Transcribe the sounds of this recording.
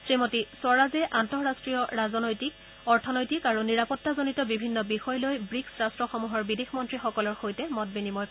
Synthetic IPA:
sɹimotisɔɹazɛʔantɔɹastɹijɔɹazɔnojtik̚ | ɔɹtʰɔnojtikaɹuniɹapɔtːazonitɔbibʱinːɔbixɔjlojbɹiksɹastɹɔxɔmuɦɔɹbidexmɔntɹixɔkɔlɔɹxojtɛmɔt̚binimɔj

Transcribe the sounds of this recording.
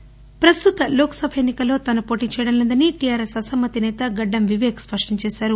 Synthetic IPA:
pɾɐst̪ut̪ɐloːkɐ̥sɐbʱɐenːikɐlːo̞ːt̪ɐnɐpo̞ːʈiːt͡ʃɛjɐɽɐnlɐnd̪ɐniʈijaːɾesɐsɐmːɐt̪inɛːt̪ɐɡɐɖːɐmʋiʋɛːkspɐʂʈɐɲt͡ʃɛːsaːɾu

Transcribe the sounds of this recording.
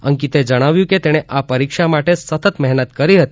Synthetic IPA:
ə̰ŋkit̪ed͡ʒəɽ̃aʋjũket̪eɽ̃eʔapəɾikʃamaʈesət̪ət̪mɛɦnət̪kəɾiɦət̪i̥

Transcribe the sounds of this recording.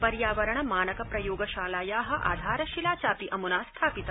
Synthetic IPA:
pɐɾjaːʋɐɾɐɳɐmaːnɐkɐpɾɐjoːɡɐʃaːlaːjaːɦɐ̆ʔa̰ːd̪ʱaːɾɐʃilaːt͡ʃaːpiʔɐmunaːst̪ʰaːpit̪ɐ

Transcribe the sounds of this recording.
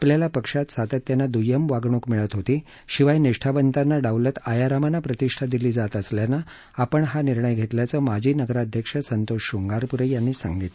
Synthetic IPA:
apljalapəkʂat̪sat̪ət̪janːad̪ujəmʋaɡɳ̃ukmiɭət̪ɦot̪iː | ɕiʋajniʂʈʰabənt̪anːaɖaʋlat̪ajaɾamanapɾət̪iʂʈʰad̪iliːd͡zat̪əsljanːa | apəɳɦaniɾɳəjɡʱet̪ljat͡səmad͡ʑʱiːnəɡɾaəd̪ʱjəkʂəsənt̪oʂuŋɡaɾpuɾejanːiːsa̰ŋɡit̪

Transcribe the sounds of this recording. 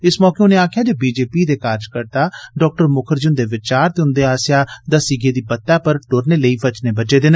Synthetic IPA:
ɪsmɔːkeːʊneːaːkʰjaːd͡ʒeːbiːd͡ʒeːpiːd̪eːkaːɾd͡ʒkəɾt̪aːɖɔːk̚ʈəɾmʊkʰəɾd͡ʒʊnd̪eːʋɪt͡ʃaːɾt̪eːʊ̃nd̪eːaːsjaːd̪əsiɡeːd̪iːbət̪ːaːpəɾʈoːɾneːləiːpət͡ʃneːbəd͡ʒeːd̪ɪn

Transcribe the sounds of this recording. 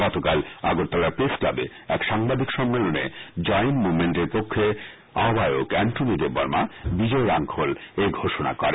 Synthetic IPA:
ɡɔt̪okala̰ɡoɾt̪ːalaɾpɾeskla̰be | ɛkʃaŋbad̪ʱikʃɔmːelonḛd͡ʑɔjnmumeɳʈeɾpokʰːe | a̰obʱajokɛɳʈonid̪eɾbɔɾmabid͡ʑɔeɾaŋkʰolejɡʱoʃona̰kɔɾe

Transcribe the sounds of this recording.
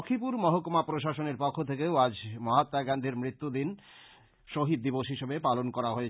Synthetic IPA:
kʰipuɾmɔɦokomapɾoʃaʃoneɾpɔkʰːot̪ʰekeoad͡ʑmɔɦat̪ːaɡand̪ʱeɾmɾit̪ːud̪in | ʃoɦid̪̚ːiboʃɦiʃebepalonkɔɾaɦoe

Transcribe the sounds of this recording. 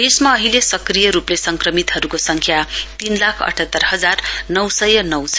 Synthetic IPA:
esmaʌɦilesʌkrijʌɾuplesʌŋkrʌmit̪ɦʌɾukosʌŋkʰjat̪inlakʰʌ̰ʈʰʌt̪ːʌrɦʌd͡zarnʌwsʌjʌnʌwt͡sʰ

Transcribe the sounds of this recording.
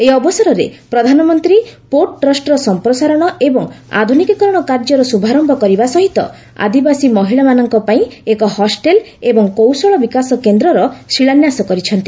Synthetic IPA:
eɔbɔsɔɾɔɾḛpɾɔd̪ʱanɔmɔnt̪ɾipoʈʈɾɔsʈɔɾɔsɔmpɾɔsaɾɔɽ̃ɔʔebɔŋa̰d̪ʱunikikɔɾɔɽ̃ɔkaɾd͡ʒɔɾɔsubʱaɾɔmbʱɔkɔɾibasɔɦit̪ɔ̰ | a̰d̪ibasimɔɦiɭamanɔŋkɔpaĩekɔhɔsʈel | ebɔŋkowsɔɭɔbikasɔkend̪ɾɔɾɔsiɭanjasɔkɔɾit͡ʃʰɔnt̪i

